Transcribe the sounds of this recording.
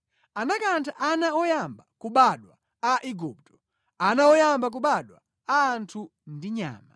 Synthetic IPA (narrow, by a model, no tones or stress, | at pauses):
anakantʰaʔanaɔjambakuɓaɗwa | aʔiɡup̚tɔ̥ | anaɔjambak̬uɓaɗwa | aːntʰu | ndiɲa̰ːma